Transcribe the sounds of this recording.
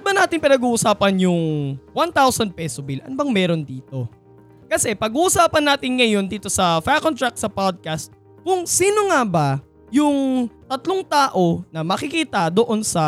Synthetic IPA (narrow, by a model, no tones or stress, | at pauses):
bɐnaːt̪ɪnpɪnɐɡuːʔʊsaːpɐnjʊŋwant̪awsɐnd̪̚pɛːsobɪlʔɐ̰nbɐŋmɛːɾo̞nd̪iːt̪o̞ | kɐsɛpɐɡuːʔʊsaːpɐnːaːt̪ɪŋŋɐjo̞nd̪iːt̪o̞sɐfakont̪ɹak̚sɐpad̪̚kɐst̪̚ | kʊŋsiːno̞ŋaba | jʊŋt̪ɐt̪loŋt̪aːʔo̞nɐmɐkɪkiːt̪ɐd̪oʔo̞nsɐ